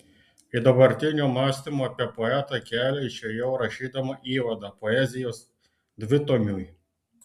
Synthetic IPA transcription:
id̪ɐbɐɾʲt̪ʲɪnʲuːmɑːsʲt̪ʲimoɐpʲiɛpɔɛt̪ɑkʲæːlʲɛɪʃʲɛjɛʊɾɐʃʲiːd̪ɐmɐʔiːʋɐd̪ɑpɔɛzʲɪjoːs | d̪ʲʋʲɪt̪ɔmʲuːj

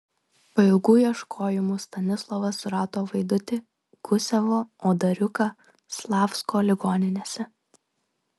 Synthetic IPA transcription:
pɐɪlˠɡuːjiɛʃkʰoːjɪmuːst̪ɐnʲɪslˠɔʋɐsɾɑːt̪oːʋɐɪd̪ʊt̪ʲɪ | ɡ̥ʊsʲɛʋoːoːd̪ɐɾʲʊkɐ | slˠɑːfskoːlʲɪɡoːnʲɪnʲeːsʲɛ

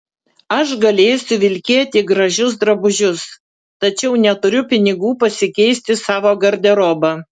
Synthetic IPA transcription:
ɐʃɡɐlʲeːjʊsʲʊʋʲɪlʲkʲeːt̪ʲiːɡɾɐʒʲʊs̬d̪ɾɐbʊʒʲʊs | t̪ɐt͡ʃʲɛʊnʲɛt̪ʊɾʲʊpʲɪnʲɪɡuːpɐsʲɪkʲɛɪsʲt̪ʲɪsɑːʋoːɡɐɾʲd̪ʲɛɾoːbɐ

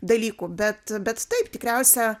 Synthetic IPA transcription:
d̪ɐlʲiːkuːbʲɛt̪bʲɛt̪t̪ɐɪpt̪ʲɪkɾʲɛʊsʲɛ

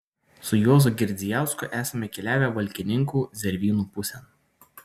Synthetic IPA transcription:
sʊjoːzʊɡʲɪɾʲd̪ʲɪjæˑʊskʊʔæːsɐmʲɛkʲɛlʲæːʋʲɛʋɐlʲkʲɪnʲɪŋkuːzʲɛɾʲʋʲiːnuːpʊsʲɛn

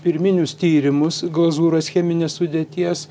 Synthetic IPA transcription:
pʲɪɾʲmʲɪnʲʊst̪ʲiːɾʲɪmʊsɡlˠɐzuːɾɐsxʲɛmʲɪnʲeːssʊd̪ʲeːt̪ʲiɛs

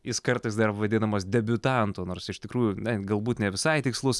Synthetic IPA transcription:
ɪskɐɾt̪ɨɪsd̪ɐɾʋɐd̪ʲɪnɐmoːsd̪ʲɛbʲʊt̪ɑnt̪oːnoːɾsɪʃt̪ʲɪkɾuːjʊnʲɛɡɐlˠbuːt̪nʲɛʋʲɪsɐɪt̪ʲɪkslˠʊs

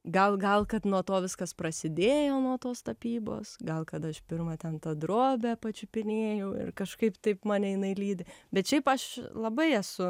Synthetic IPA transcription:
ɡɐlˠɡɐlˠkɐt̪nuɔt̪oːʋʲɪskɐspɾɐsʲɪd̪ʲeːjoːnuɔt̪oːst̪ɐpʲiːbo̰ːsɡɐlˠkɐt̪ɐʃpʲɪɾmɐt̪ʲɛnt̪ɐd̪ɾoːbʲæːpɐt͡ʃʲʊpʲɪnʲeːjɛʊɪ̰rkɐʃkɐɪpt̪ɐɪpmɑːnʲɛɪnɐɪlʲiːd̪ʲɪbʲɛt̪ʃʲɛɪpɐʃlˠɐbɐɪɛsʊ

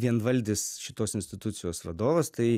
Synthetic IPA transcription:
ʋʲiɛnʋɐlʲd̪ʲɪsʃʲɪt̪oːsɪnʲsʲt̪ʲɪt̪ʊt̪sʲɪjoːsʋɐd̪oːʋɐst̪ɐɪ

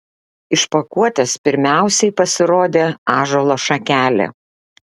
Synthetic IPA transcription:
ɪʃpɐkuɔt̪ʲɛspʲɪɾʲmʲæˑʊsʲɛɪpɐsʲɪɾoːd̪ʲeːɑːʒolˠoʃɐkʲæːlʲḛ

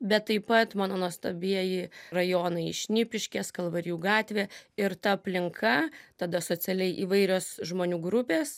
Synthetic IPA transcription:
bʲɛt̪ːɐɪpɐt̪mɑːnoːnuɔst̪ɐbʲiɛjɪrɐjoːnɐɪɪʃʲnʲɪpʲɪʃʲkʲɛːskɐlˠʋɐɾʲjuːɡɑːt̪ʲʋʲeːɪɾt̪ɐɐpʲlʲɪŋkʰɐt̪ɐd̪ɐsoːt͡ssʲɐlʲɛɪʔiːʋɐɪɾʲoːsʒmoːnʲuːɡɾʊpʲeːs

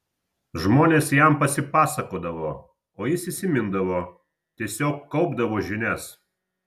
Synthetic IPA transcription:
ʒmoːnʲeːsjɛmpɐsʲɪpɑːsɐkoːd̪ɐʋoː | oːjɪsisʲɪmʲɪnd̪ɐʋoː | t̪ʲiɛsʲoːkːɐʊbd̪ɐʋoːʒʲɪnʲɛs

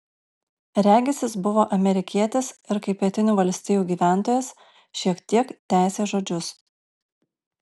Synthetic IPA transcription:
ɾʲæːɡʲɪsʲɪsbʊʋoːʔɐmʲɛɾʲɪkʲiɛt̪ʲesɪɾkɐɪpʲpʲiɛt̪ʲɪnʲuːʋɐlʲsʲt̪ʲiːjuːɡʲiːʋʲæˑnˑt̪oːjɛs | ʃʲiɛkt̪ʲiɛkt̪ʲæˑɪsʲeːʒoːd͡ʒʲʊs

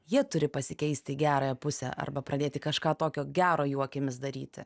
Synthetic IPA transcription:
jiɛt̪ʊɾʲɪpɐsʲɪkʲɛɪsʲt̪ʲɪɡʲæːɾɐjɛpʊsʲɛ̰ʔɐ̰rbɐpɾʔɐd̪ʲeːt̪ʲɪkɐʃkɑːt̪oːkʲoːɡʲæːɾoːjuɔkʲɪmʲɪsd̪ɐɾʲiːt̪ʲɪ̰

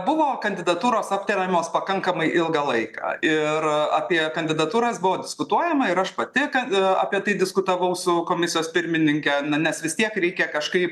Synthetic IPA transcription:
bʊʋoːkɐnʲd̪ʲɪd̪ɐt̪uːɾoːsɐpʲt̪ʲɛɾʲɛmʲoːspɐkɐŋkɐmɐɪʔɪlˠɡɐlˠɐɪkɑ̰ːɪrɐːpʲiɛkɐnʲd̪ʲɪd̪ɐt̪uːɾɐsbʊʋoːdʲɪskʊt̪uɔjɛmɐɪɾɐʃpɐt̪ʲɪkɐɐ̰ːpʲiɛt̪ɐɪd̪ʲɪskʊt̪ɐʋɐʊsʊkoːmʲɪsʲɪjoːspʲɪɾʲmʲɪnʲɪŋʲkʲɛnɐnʲɛsʋʲɪst̪ʲiɛkɾʲɛɪkʲɛkɐʃkɐɪp

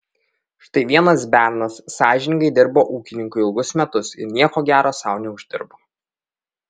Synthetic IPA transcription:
ʃt̪ɐɪʋʲiɛnɐs̬bʲæːɾnɐsːɑːʒʲɪnʲɪŋɡɐɪd̪ʲɪɾboːʔuːkʲɪnʲɪŋkʊɪɪlˠɡʊsmʲɛt̪ʊsɪ̰ɾnʲiɛkoːɡʲæːɾoːsɑˑʊnʲɛʊʒʲd̪ʲɪ̰ɾboː

